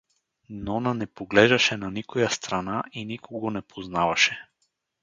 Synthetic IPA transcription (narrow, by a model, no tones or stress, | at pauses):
nɔnanɛpoɡlɛʒaʃɛnanikojast̪ɾanaʔinikʰoɡonɛpʰoznavaʃɛ